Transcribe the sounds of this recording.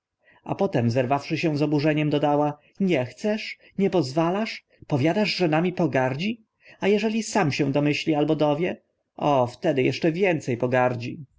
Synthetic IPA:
a̰pɔt̪ɛmzɛɾvafʂɘɕɛ̃zɔbuʐɛɲɛmd̪ɔd̪awa | ɲɛxt̪sɛʂ | ɲɛpɔzvalaʂ | pɔvʲjad̪aʐʐɛnamʲipɔɡaɾd͡ʑi | ajɛʐɛlʲisamɕɛ̃d̪ɔmɘɕlʲialbɔd̪ɔvʲjɛ | ʔɔft̪ɛd̪ɘjɛ̰ʂt͡ʂɛvʲjɛnt̪sɛjpɔɡaɾd͡ʑi

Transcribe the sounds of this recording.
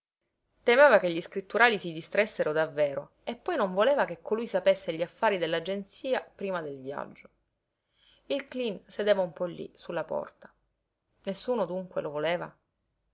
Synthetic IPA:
t̪emeːvakeʎːiskɾit̪ːuɾaːlisid̪ist̪ɾesːeɾod̪avːeːɾo | epːɔjnoɱvoleːvakekːolujsapesːeʎːiafːaːɾid̪elːad͡ʒent̪siːapɾiːmad̪elvja̰d͡ʒːo | ilklinsed̪eːvaumpɔlːḭsulːapɔ̰rt̪ḁ | nesːuːnod̪uŋkwḛlovoleːva̰

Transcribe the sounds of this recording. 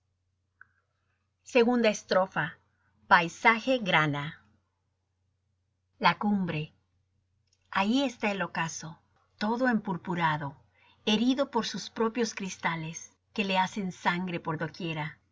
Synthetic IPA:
se̞ɣund̪aest̪ɾo̞fa | pajsaxe̞ɣɾana | lakumbɾe̞ | aie̞st̪aelokaso̞ | t̪o̞ðo̞e̞mpuɾpuɾaðo̞ | e̞ɾiðo̞po̞ɾsuspɾo̞pjo̞skɾist̪ale̞s | ke̞le̞ase̞nsaŋɡɾepoɾðo̞kje̞ɾa

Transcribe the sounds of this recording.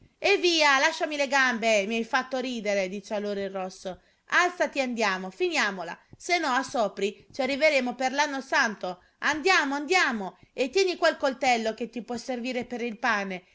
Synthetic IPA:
evːiːalaʃːamileɡambemiajfat̪ːoɾiːd̪eɾed̪iːt͡ʃealːoːɾoirːɔsːo | alt̪sat̪iand̪jaːmofinjaːmola̰senːɔasːɔːpɾit͡ʃiarːiveɾeːmoperlanːosant̪o | and̪jaːmoand̪jaːmoet̪ːjɛːnikwalkolt̪ɛlːoket̪ːipwɔsːerviːɾepeɾilpaːne

